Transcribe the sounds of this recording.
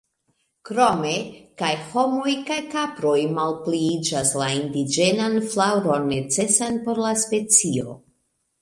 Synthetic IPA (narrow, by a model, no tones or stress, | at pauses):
kɾo̞me̞kajho̞mo̞jkajkapɾo̞jmalpliid͡ʒaslaindid͡ʒe̞nanflawɾo̞nːe̞t͡se̞sanpo̞ɾlaspe̞t͡sio̞̰